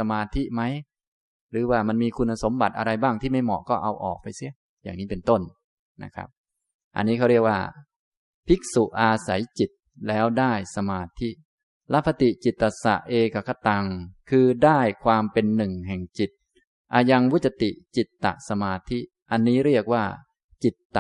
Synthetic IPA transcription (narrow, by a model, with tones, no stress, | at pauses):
a˧maː˧t̪ʰi˦˥ma˦˥j | ɾɯː˩˦waː˥˩ma˧nmiː˧kʰu˧nʔa˧so˩˦mba˨˩t̪̚ʔa̰˧ɾa˧jbaː˥˩ŋt̪ʰiː˥˩ma˥˩jmɔ̰˨˩kɔː˥˩ʔa˧wʔɔ̰ː˨˩k̚pa˧jsi˦˥˩ə | jaː˨˩ŋniː˦˥pe˧nt̪o˥˩n | na̰˦˥kʰɾa̰˦˥p̚ | ʔa̰˧nːiː˦˥kʰa˦˥ɾi˥˩əkwa̰ː˥˩ | pʰi˦˥k̚su˨˩ʔʔaː˧sa̰˩˦jt͡ɕi˨˩t̪̚ | lɛː˦˥wdaː˥˩jsa˧maː˧t̪ʰi˦˥ | la˦˥pʰːa˧t̪i˨˩t͡ɕi˨˩t̪ːa˨˩sa̰˨˩ʔʔeː˧ka˨˩kʰa˧˩t̪a˧ŋkʰɯː˧daː˥˩jkʰwaː˧mpe˧nːɯ˨˩ŋɦɛː˨˩ŋt͡ɕi˨˩t̪̚ | ʔaː˧ja˧ŋwu˦˥t̪̚t͡ɕa˧t̪i˨˩ʔt͡ɕi˨˩t̪ːa̰˨˩ʔsa˧maː˧t̪ʰi˦˥ | ʔa˧nːiː˦˥ɾi˥˩ək̚waː˥˩ | t͡ɕi˨˩t̪ːa˨˩